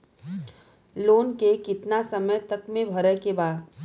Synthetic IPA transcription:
loːnkekɪt̪nasəməjt̪ɐkmẽbʱɐɾəɦkebaːd̪

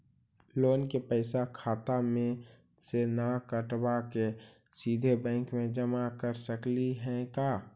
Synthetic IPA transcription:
loːnkepəɪsakʰaːt̪amẽ | senakəʈbake | siːd̪ʱebɛ̃ːŋkmẽd͡ʒəmakəɾsəkliɦɛ̃kaː

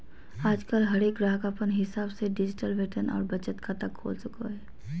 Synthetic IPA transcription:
aːd͡ʒkəlɦɐɾeːk̚ɡɾaːɦkapənɦɪsaːbseɖɪd͡ʒɪʈəlʋeːʈənɔ̰ːɾbɐt͡ʃət̪kʰat̪əkʰːo̰ːlt͡ʃʊka̰ɦɛː

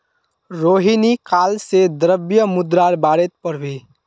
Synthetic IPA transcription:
ɾoːɦinikaːlsed̪əɾəbjəmʊd̪ɾaːɾbaːɾet̪̚pəɾbʱiː

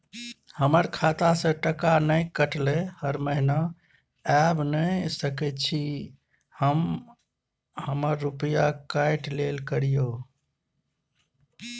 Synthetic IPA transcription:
həməɾkʰat̪asə̃ʈəkanəkəʈlehəɾməɦina | ɛbnəjsəkɛt̪t͡ʃʰi | həm | həməɾːupəjakajʈlelkəɾijo

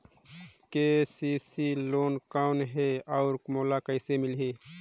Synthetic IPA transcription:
kesisiloːnkaʊnɦeɔʊɾmoːlakəɪsemɪlɦeː

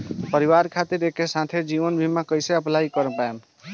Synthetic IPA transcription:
pəɾiwaɾkʰat̪iɾekesãt̪ʰed͡ʒiʋənbʱimakəjseəplaikəɾəpaem

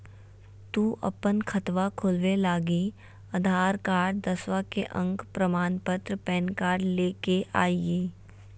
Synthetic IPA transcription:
t̪uːʔɐ̰pənkʰət̪ʋakʰʊlʋelaːɡi | ɐd̪ʱaːɾkaːɖd̪əswakeʔə̃ŋkpɾəmaːnpət̪ɾpɛːnkaːɾɖleːkeʔa̰ːieː

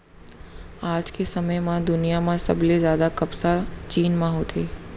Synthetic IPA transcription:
aːd͡ʒkʰesəməjmãd̪ʊnijamãsɐ̰bʱlezjaːd̪akɐbsat͡ʃiːnmãɦoːt̪ʰeː

